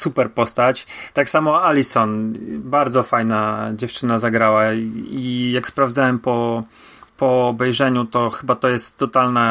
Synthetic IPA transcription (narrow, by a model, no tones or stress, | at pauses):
supɛɾpɔst̪at͡ɕt̪aksamɔalʲisɔnbaɾd̪zɔfajnad͡ʑɛft͡ʂɘnazaɡɾawaijakspɾavd̪zawɛmpɔ | pɔːbɛjʐɛɲut̪ɔxɘbat̪ɔjɛst̪ːɔt̪alna